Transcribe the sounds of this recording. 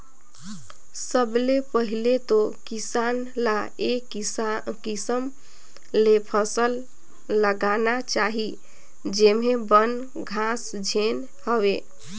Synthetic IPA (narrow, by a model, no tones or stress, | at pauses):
səblepəɦilet̪okisanlaek | kisəm | lepʰəsəlː | əɡanat͡ʃaɦi | d͡ʒemebən | ɡʱas | d͡ʒʱen | həbe